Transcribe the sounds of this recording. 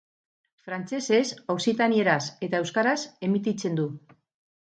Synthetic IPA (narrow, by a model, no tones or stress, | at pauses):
fɾant͡ʃe̞se̞sowsit̪anie̞ɾase̞t̪ae̞wskaɾase̞mit̪it͡se̞nd̪u